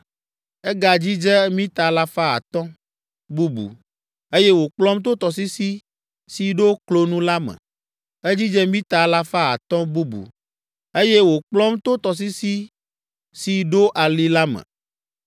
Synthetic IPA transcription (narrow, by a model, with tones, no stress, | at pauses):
ɛ˦ɡa˨d͡ʑi˦d͡ʒɛ˦mĩ˦t̪a˨la˦fa˦a̰˨t̪ɔ̃˦ | bu˦bṵ˨ | e˦je˦wo˨k͡plɔ˦mt̪o˦t̪ɔ˨s̬i˦si˦ | si˨ɖo˦klo˦nũ˦la˦mɛ̰̃˨ | e˦d͡ʑi˦d͡ʒɛ˦mĩ˦t̪a˨la˦fa˦a̰˨t̪ɔ̃˦bu˦bṵ˨ | e˦jɛ˦wo˨k͡plɔ̃˦mt̪o˦t̪ɔ˨s̬i˦si˦ | si˨ɖo˦ʔa˨li˦la˦mɛ̰̃˨